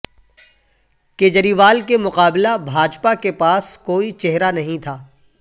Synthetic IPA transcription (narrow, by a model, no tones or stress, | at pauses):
keːd͡ʒəɾiʋaːlkemʊqaːblabʱaːd͡ʒpakepaːskoːit͡ʃɛɦɾanɐɦĩt̪ʰaː